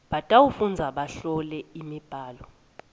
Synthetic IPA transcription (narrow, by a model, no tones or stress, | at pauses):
ɓatʼawufund͡zʱaɓaɬɔlɛimib̥ʱaːlɔ